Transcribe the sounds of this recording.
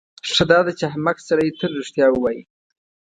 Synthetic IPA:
ʂəd̪ɑd̪at͡ʃɪɦamaksaɾajet̪əlːiʂt̪jɑwəwɑji

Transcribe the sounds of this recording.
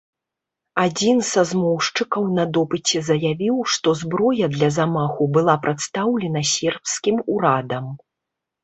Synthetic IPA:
ad͡zʲinzazmɔwʂt͡ʂɨkɐwnɐd̪ɔpɨt͡sʲɛzɐjavʲiwʂt̪ɔzbɾɔjɐd̪lʲɐzamaxubɨlˠapɾat̪st̪awlʲɛnɐsʲɛrpskʲimuɾad̪ɐm

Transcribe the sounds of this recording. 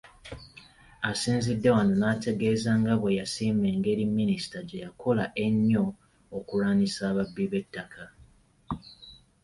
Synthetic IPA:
asiːnzidːe̞wanonaːte̞ɡe̞ːzaŋɡaβwe̞jasiːme̞ːŋɡe̞ɾimːinisi̥taɟe̞jakʰo̞laʔe̞ɲːo̞ː | kuɾaːnisaːβabːiβe̞tːakʰa

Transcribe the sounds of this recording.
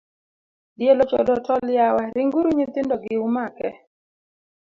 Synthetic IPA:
djelɔt͡ʃɔ̰dɔtʰɔljawaɾɪŋɡuɾuɲit̪ɪndɔɡɪumakɛ

